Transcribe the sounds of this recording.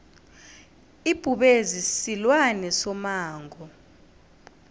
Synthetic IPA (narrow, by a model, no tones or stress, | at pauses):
ib̥ʱuɓezisilwanɛsɔmaːŋʱɔ